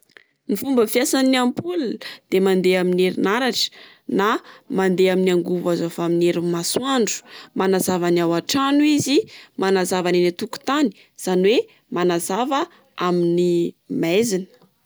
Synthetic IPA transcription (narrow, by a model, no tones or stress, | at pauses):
nifumbəfiasaniiampuld̪̥emand̪eamineɾinaɾaʈ͡ʂə̥ | namand̪eaminaŋɡuvazofamineɾimasuaɳɖ͡ʐu̥manazavaniawaʈ͡ʂanuizimanazavaninat̪uku̥t̪ani̥ | z̥anwe | manazavə | aminimezinə̥